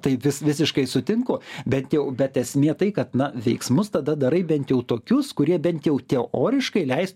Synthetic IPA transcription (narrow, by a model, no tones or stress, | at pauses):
t̪ɐɪʋʲɪsʋʲɪsʲɪʃkɐɪsʊt̪ʲɪŋkʊbʲɛnʲt̪jɛʊbʲɛt̪ɛsʲmʲeːt̪ɐɪkɐt̪nɐʋʲɛɪksmʊst̪ɐd̪ɐd̪ɐɾɐɪbʲɛnt̪jɛʊt̪oːkʲʊskʊɾʲiɛbʲɛnʲt̪ʲjɛʊt̪ʲɛoːɾʲɪʃkɐɪlʲɛɪst̪